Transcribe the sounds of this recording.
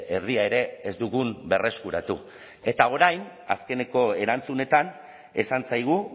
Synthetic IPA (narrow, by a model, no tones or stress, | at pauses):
eɾðiae̞ɾe̞ːzd̪uɣunbe̞re̞skuɾat̪u | e̞t̪ao̞ɾajn | a̰ske̞ne̞ko̞e̞ɾant͡sune̞t̪an | e̞sant͡sajɣ̞u